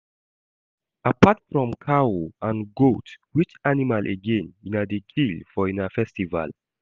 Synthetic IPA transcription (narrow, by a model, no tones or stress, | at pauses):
apatfɹɔ̃mkʰaoãnɡotwit͡ʃanimalʔeɡẽninadekʰilfɔĩnafɛstiva̰l